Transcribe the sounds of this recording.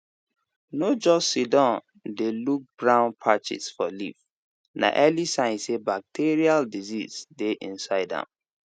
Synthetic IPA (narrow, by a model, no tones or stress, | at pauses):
nod͡ʒɔsidɔ̃n | deluk̚b̥ɹãʊ̃npʰat͡ʃḭsfɔlḭf | na̰ʔɛlisãɪ̃nsebak̚tʰeɹialdiziz̥deʔĩnsaɪdã̰m